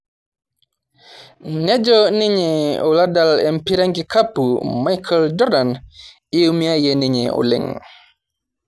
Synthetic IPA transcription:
nɛd͡ʒɔniɲɛɔladalɛmpiɾaŋɡikapːumajkʰald͡ʒɔɾdanʔiwmiajɛniɲɛ̰ʔɔ̰lɛ̰ŋ

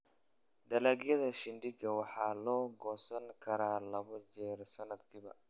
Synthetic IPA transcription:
ɖ̪ɐlaːɡjɐðɐʃɪnd̪ɪɡɐwɑħɑːlɔːɡɔːsɐŋkʰɐɾaːlɐβɐd͡ʒɛːɾsɐnɐd̪kʰiːβɐ̰

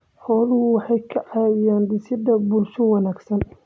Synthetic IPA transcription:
ħɔːlʊhʊwɑħɑjkʰɐʕɑjaːnd̪ɪsɪd̪ɐbʊlʃʊwɑnaːɡsɐn

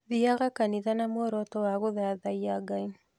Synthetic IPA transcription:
ðiaɣakaniðanamwɔɾɔtɔwaɣoðaðaiaɡain

